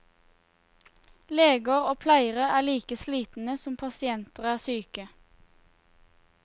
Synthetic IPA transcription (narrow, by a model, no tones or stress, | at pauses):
leːɡəʁoːpʰlæɪəʁəæːliːkəsliːt̪n̩əsɔmpʰɑsɪɛnt̪əʁæːsyːkə